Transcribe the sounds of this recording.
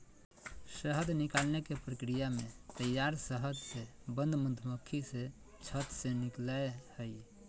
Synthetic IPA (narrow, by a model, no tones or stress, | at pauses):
səɦəd̪nikalnekepɾəkɾijamet̪əjːaɾsəɦəd̪se | bə̃nd̪ʱmənd̪ʱməkʰːise | t͡ʃʰət̪seniklahəj